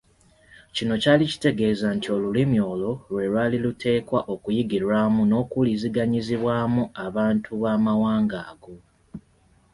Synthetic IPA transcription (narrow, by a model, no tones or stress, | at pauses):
cino̞caːlici̥te̞ɡe̞ːzantʰio̞lulimjo̞ːlo̞lwe̞lwaːlilutʰe̞ːkwaʔo̞kujiɡiɾaːmuno̞ːkuliziɡaɲiziβwaːmuaβaːntʰuβaːmawaːŋɡaːɡo̞